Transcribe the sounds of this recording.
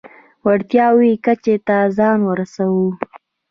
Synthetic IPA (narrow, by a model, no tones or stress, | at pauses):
waɽt̪jɑwikat͡ʃet̪azɑnwəɾasawu